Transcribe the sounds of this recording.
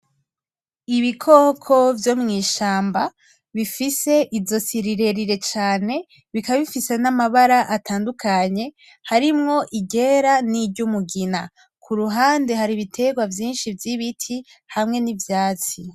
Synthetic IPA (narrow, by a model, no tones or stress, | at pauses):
iβikʰo̞kʰo̞vjo̞mŋiːʃaːmba | βifise̞ʔizo̞siɾiɾe̞ɾiɾe̞t͡ʃaːne̞ | βikaβifise̞namaβaɾaʔatʰaːndukaɲe̞ | haɾimŋo̞ʔiɟe̞ɾaniɟumuɡina | kʰuɾuɦaːnde̞haɾiβitʰe̞ɡwavjiːnʃivjiβitʰi | hamŋe̞nivjaːt͡si